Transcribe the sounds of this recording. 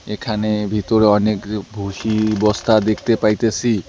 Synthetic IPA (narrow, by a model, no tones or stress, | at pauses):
ekʰanebʱit̪oɾeɔnekbʱuʃibɔst̪ʰad̪ekʰt̪epajt̪esʰi